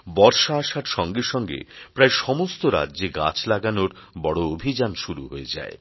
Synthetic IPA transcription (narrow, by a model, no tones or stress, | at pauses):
bɔɾʃaaʃaɾʃɔŋɡeʃɔŋɡḛpɾaeʃɔmost̪oɾa̰dːd͡ʑeɡa̰t͡ɕʰlaɡanoɾbɔɽoobʱid͡ʑanʃuɾuɦoed͡ʑa̰e